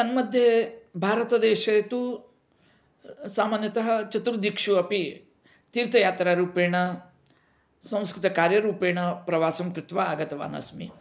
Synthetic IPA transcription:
ɐnmɐd̪ʱjebʱaːɾɐt̪ɐd̪ɛːʃɐjɐt̪u | saːmaːnjɐt̪ɐɦɐt͡ʃɐt̪ɾud̪ikʂuɐpi | t̪iːɾt̪ɐjaːt̪ɾaːɾuːpeːɳɐ | sɐ̃w̃skɾɨt̪ɐkaːɾjɐɾuːpeːɳɐpɾɐʋaːsɐmkɾut̪ʋaaːɡɐt̪ɐʋa̰ːnɐ̰smḭ

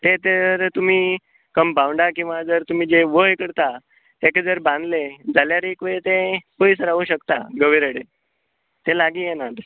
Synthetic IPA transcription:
t̪et̪əɾt̪um̤iː | kəmbʱãwɳɖakĩw̃ʋad͡zəɾt̪um̤iːd͡ʑeʋəɦkəɽt̪a | t̪eked͡zəɾbãnd̪led͡zaljaɾːkʋet̪ẽpəjsɾaʋuɕəkt̪a̰ɡəʋiɾəɽe | t̪elaɡiːjɛnat̪

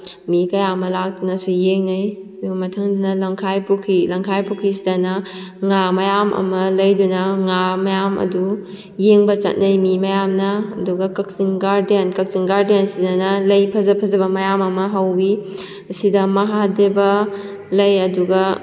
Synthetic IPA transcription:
mikɐjamɐlak̚dunɐsujeŋnɐj | duɡɐmɐtʰɐŋdunɐlɐŋkʰajpukʰilɐŋkʰajpukʰːisidɐnɐŋamɐjamʔɐ̰mɐlɐjdunɐŋamɐjamɐ̰du | jeŋbɐt͡ʃɐ̰t̚nɐjmimɐjamnɐɐduɡɐkɐk̚siŋɡaɾdenkɐk̚siŋɡaɾdensidɐnɐlɐjpʰɐzɐpʰɐzɐbɐmɐjamɐmɐɦɐwbi | ɐsidɐmɐɦadebɐ | lɐjɐduɡɐ

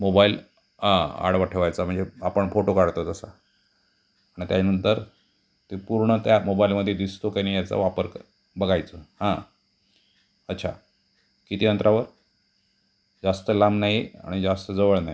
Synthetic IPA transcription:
mobail | ɦãa̰ɽʋaʈʰeʋajt͡sam̤əɳd͡zeapəɳfoʈokaɽt̪ot̪əsa | aɽ̃it̪janənt̪əɾ | t̪epuɾɳət̪jamobailməd̪ʱːjed̪ist̪okanijat͡sa̰ʋapəɾk | bəɡajt͡səhã | ətːɕʰa̰ | kit̪iːənt̪ɾʔaʋəɾ | d͡zast̪əlamnaɦia̰ɽ̃id͡zast̪əd͡zəʋəɭnaɦi

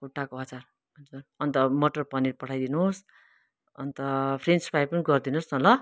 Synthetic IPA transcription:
uʈːakoʌt͡sar | ʌnd͡zurʌnt̪ʌmʌʈʌrpʌnirpʌʈʰajd̪inus | ʌnt̪ʌpʰrenspajpʌniɡʌrd̪inosnʌlʌ

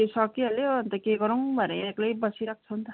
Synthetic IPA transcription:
esʌkiɦʌleʌnt̪ʌkeɡʌɾuw̃bʱʌnḛeklajbʌsiɾak̚ʰt͡sʰʌnt̪ʌ

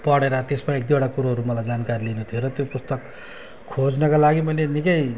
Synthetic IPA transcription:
pʌɽeɾʌt̪esmaek̚d̪iɽakuɾaɦʌɾumʌlajd͡zankaɾilinut̪ʰijoɾʌt̪jopust̪ʌk | kʰːod͡znʌkalaɡimʌjnenikʌj

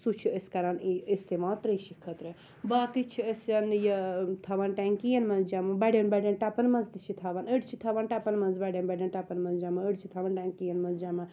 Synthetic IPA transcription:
sut͡ʃʰiəskɐɾaːniist̪emaːt̪ɾəʃikʰɐt̪ɾe | baːkit͡ʃʰiəsɐnjɐt̪ʰaʋanʈɛŋkijɐnmɐnzd͡ʒamɐbɐɖʲɐnbɐɖɐnʈɐpɐnmɐ̃nzd̪it͡ʃʰit̪ʰaʋanəɖt͡ʃʰit̪ʰɐʋanʈɐpɐnmɐnzbɐɖʲɐnbɐɖʲɐnʈɐpɐnmɐnzd͡ʒamɐəɖt͡ʃʰit̪ʰaʋɐnʈɛŋkijɐnmɐnzd͡ʒamɐn

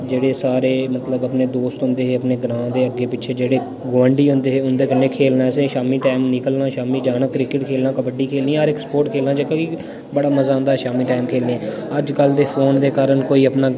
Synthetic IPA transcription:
d͡ʒeːɽeːsaːɾeːmət̪ləbəpneːd̪oːst̪ɦʊ̃nd̪eːeːəpneːɡɾãːd̪eːəɡːeːpɪʃʰeːd͡ʒeːɽeː | ɡʋəɳɖiːɦʊnd̪eːɦeːʊnd̪eːkənːeːkʰeːlnãːsẽːʃaːmiːʈaːɪmnɪkəlnãːʃaːmiːd͡ʒaːnaːkɾɪkɪʈkʰeːlnãːkəpəɖiːkʰeːlnĩaːɾɛkspoːʈkʰeːlnaːd͡ʒəkaki | bəɽaːməzaːʊ̃nd̪aːɦʃaːmiːʈaːɪmkʰeːlneː | əd͡ʒkəld̪eːpʰoːnd̪eːkaːɾənkoːiːəpnaː

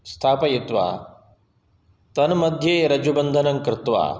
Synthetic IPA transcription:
st̪ʰaːpɐjit̪ʋa̰ː | t̪ɐnmɐd̪ʱjeːɾɐd͡ʒubɐnd̪ʱɐnɐŋkɾɪt̪ʋa̰ː

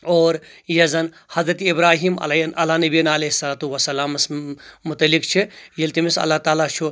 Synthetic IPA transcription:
oːɾjɐzɐn | hɐzɾɐt̪ibɾaːɦiːmɐ̰ɐlaːnɐbiɐnɐleːɦisɐlaːt̪uʋɐsːɐlaːmɐsmʊt̪ɐlːikt͡ʃʰijɐlt̪imisɐ̰lːat̪aːlat͡ʃʰu

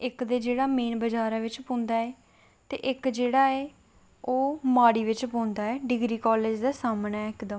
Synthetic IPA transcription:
ɪkd̪eːd͡ʒeːɽaːmeːnbəd͡ʒaːɾaːʋɪt͡ʃpõːnd̪aːɛː | t̪ḛːʔɪkd͡ʒeːɽaːɛː | oːmaːɽiːʋɪt͡ʃpõːnd̪aːɛːɖɪɡɾiːkɔːleːd͡ʒd̪aːsaːmnɛːɪkd̪əm

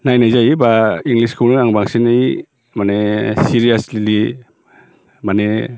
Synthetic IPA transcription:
najnajzajbaiŋɡliskʰunɯaŋbaŋsinɯj | manesiɾijaslili | mane

